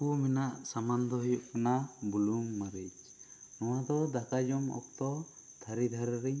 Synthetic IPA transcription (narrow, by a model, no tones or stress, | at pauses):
kumɛnaʔsamand̪ɔɦɔjuʔkɔnabulumːaɾit͡ʃ | nɔwad̪ɔd̪akad͡ʒɔmɔ̰k̚t̪ɔt̪ʰaɾid̪ʱaɾɾiɲ